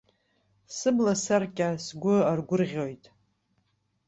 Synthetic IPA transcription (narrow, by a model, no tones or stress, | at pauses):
sɨblasarkʲʼasɡʷʊarɡʷʊrʁʲo̞jtʼ